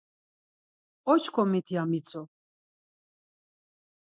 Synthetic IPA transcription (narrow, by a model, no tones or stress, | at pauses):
ɔt͡ʃʰkʰɔmit̪ʰiamit͡sʰɔ